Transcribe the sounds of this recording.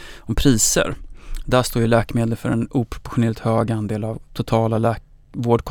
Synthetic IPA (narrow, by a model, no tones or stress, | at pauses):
ɔmpʰɾiːsə̰ɾd̪æʂt̪oːɾjəlɛːkmeːd̪əlfœɾɛnuːpʰɾʊ̥pʊɧʊnɛːlɪt̪høːɡand̪eːlavt̪ʰʊt̪ʰɑːlalɛː | voːɖkʰ